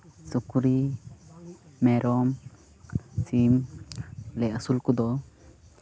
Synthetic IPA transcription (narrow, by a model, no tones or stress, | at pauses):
sukuɾi | mɛɾɔm | sim | lɛasulkud̪ɔ